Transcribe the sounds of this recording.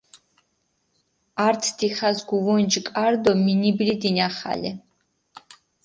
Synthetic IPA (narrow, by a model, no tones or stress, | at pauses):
aɾt̪ʰd̪iχazɡuvɔnd͡ʒkʼaɾd̪ɔminiblid̪inaχa̰lɛ̰